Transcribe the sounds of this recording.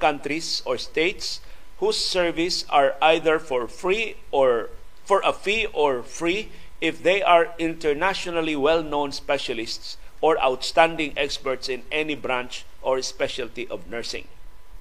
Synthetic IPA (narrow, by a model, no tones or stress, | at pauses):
kãnt̪ɾisɔɹst̪eɪt̪s | husːɛɹvisaɹajðəɹfɔɹfɹi | fɔɹʔɐfiɔɹfɹi | ɪfðejʔaɹɪ̃nt̪ɛɹnaʃɔnaliwɛlnõwnspɛʃalɪst̪sʔɔɹa̰wt̪st̪ãnd̪ɪ̃ŋɛkspɛɹt̪sɪ̃nɛnibɾãnt͡ʃ | ʔɔɹspɛʃalt̪iʔɔvnɛɹsɪ̰̃ŋ